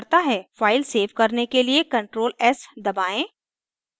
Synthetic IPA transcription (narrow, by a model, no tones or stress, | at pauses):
ɾt̪aɦɛːfaːɪlseːʋkɐɾnekeliekɐ̃ɳʈɾoːlɛsd̪ɐbaːẽː